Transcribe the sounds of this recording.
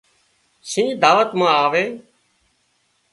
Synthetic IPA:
sĩːd̪aːʋət̪mãːaːʋeː

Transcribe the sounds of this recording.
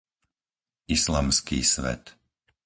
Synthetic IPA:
islaːmskiːsʋɛ̰t̪

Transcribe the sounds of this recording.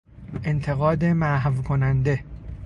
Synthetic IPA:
ʔent̪ʰe̞ɣɒːd̪e̞mæɦvkʰonænd̪e̞

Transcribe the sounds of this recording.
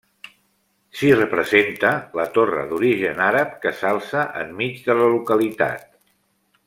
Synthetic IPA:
sirəpɾəzent̪ələt̪orə̰ðuɾiʒənaɾəp̚kəsalˠsəʔəmmid͡zðələlukəlit̪a̰t̪̚

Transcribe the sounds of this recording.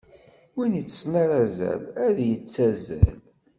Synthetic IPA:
winət͡sːsnæɾæzæ̰læðjət͡sːæzæ̰l

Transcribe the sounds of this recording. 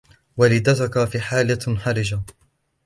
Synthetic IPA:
walɪd̪at̪ʊkafiːħaːlaħaɾɪd͡ʒa

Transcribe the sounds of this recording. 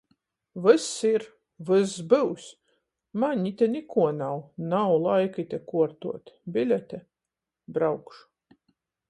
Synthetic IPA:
vɨsiɾ | vɨsbɨws | maɲʲit̪ʲɛnʲikuɔnawnawlˠajkɨt̪ʲɛkuɔɾt̪uɔt̪bʲilʲɛt̪ʲɛ | bɾawkʃu̥

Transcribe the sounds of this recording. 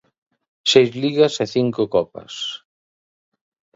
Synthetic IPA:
sejzliɣɐseθiŋkʊkɔpɐ̰s

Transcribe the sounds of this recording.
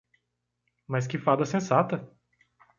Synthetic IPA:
mɐs̬kɪfad̪ɐsẽsat̪ɐ

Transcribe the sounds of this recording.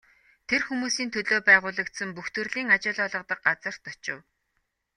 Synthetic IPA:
t̪ʰerxumuːsiːnt̪ʰɵɮoːpæːʁʊːɮə̆k̚t̪sə̆mpuxt̪ɵ̆rɮiːŋat͡ɕʊːɮɔːɮə̆qt̪ə̆q̚ɢat͡sə̆r̥t̪ɔt͡ɕɪ̰̆w

